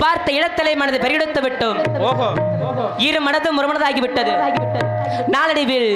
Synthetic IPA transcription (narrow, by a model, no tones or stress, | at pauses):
paːɾt̪ɐɪɽɐt̪ːɐlɐɪmɐnɐðɯpɐɾɪjɐɽɯt̪ːɐʋɪʈːɯmoːɦoː | iːɾɯmɐnɐðɯmʊɾɯmɐnɐðaːɣiʋɪʈːɐðɯːɣʈːɐ | naːlɐɽɪʋɪɭ